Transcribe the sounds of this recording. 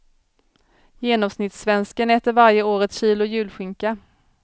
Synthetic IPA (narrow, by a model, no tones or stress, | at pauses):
jeːnɔmsnɪt̪svɛnskənɛːt̪əɾvaɾjəoːɾət̪sɕiːlʊjʉ̟ːlɧɪŋka